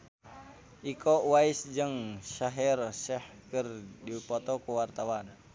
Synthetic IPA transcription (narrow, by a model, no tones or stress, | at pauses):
ʔikʰɔwaisd͡ʒɨŋʃaɦɛrsɛhkərdipɔt̪ɔkuwart̪awan